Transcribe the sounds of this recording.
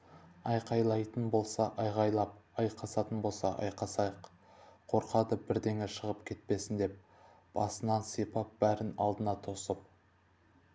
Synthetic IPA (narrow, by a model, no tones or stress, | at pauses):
ɑjqɑjlˠɑjt̪ənbo̞lˠsɑʔɑjʁɑjlˠɑp̚ɑjqʰɑsɑt̪ənbo̞lˠsɑ̰ʔɑ̰jqɑsɑjəq | qʰo̞ɾqɑd̪əbɪɾd̪e̞ŋeʃəʁəpkʲʰe̞t̪̚pe̞sɪnd̪e̞p̚ | b̥ɑsənɑnsijpɑp̚b̥æɾɪnɑ̰lˠd̪ənɑt̪ʰo̞səp̚